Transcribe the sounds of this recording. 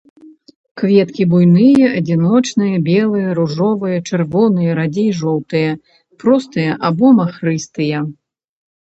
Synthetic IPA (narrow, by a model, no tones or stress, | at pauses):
kvʲɛt̪kʲibujnɨjɐʔɐd͡zʲinɔt͡ʂnɨjɐbʲɛlˠɨjɐɾuʐɔvɨjɐt͡ʂɨrvɔnɨjɐɾad͡zʲejʐɔwt̪ɨjɐ | pɾɔst̪ɨjɐʔabɔmɐxrɨst̪ɨjɐ